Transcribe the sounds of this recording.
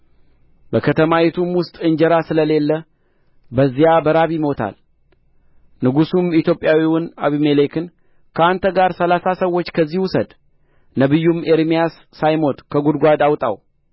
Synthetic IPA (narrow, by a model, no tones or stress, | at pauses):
bəkʰət̪ʰəmawɛt̪ʰumwʊst̪ʼɨɲd͡ʒəɾasɨləle̞lːə | bəzːijabəɾaβimo̞t̪ʰa̰l | nɨɡusumit̪jo̞pʼːjawiwʊnaβimelekɨn | kʰəant̪ʰəɡaɾsəlasasəwo̞t͡ʃːkʰəzːihwʊsəd̪ | nəβɨjːumeɾmijasːajmo̞t̪ʼkʰəɡud̪ɡʷad̪awt̪ʼa̰w